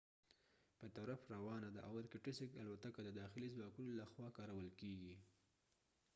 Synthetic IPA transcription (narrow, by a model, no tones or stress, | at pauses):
pət̪aɾafɾawɑnad̪aʔawaɾkɪʈɪsɪkalwat̪akad̪əd̪ɑxɪlizwɑkunolaxwɑkɑɾawəlkeɡi